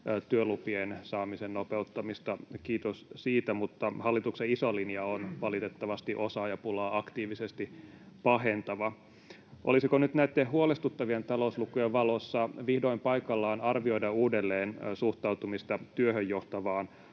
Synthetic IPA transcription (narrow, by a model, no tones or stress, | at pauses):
t̪yølupiensɑːmisennopeut̪ːɑmist̪ɑkiːt̪ossiːt̪æmut̪ːɑhɑlːit̪ukseisolinjɑonʋɑlit̪et̪ːɑʋɑst̪iʔosɑːjɑpulɑːɑkt̪iːʋisest̪i | pɑɦent̪ɑʋɑ | ʔolisikonyt̪næit̪ːeɦuolest̪ut̪ːɑʋient̪ɑloslukujeʋʋɑlosːɑʋihdo̞impɑjkɑlːɑːnɑrʋio̞idɑuːdelːeːnsuht̪ɑwt̪umist̪ɑt̪yøhøjjoht̪ɑʋɑːn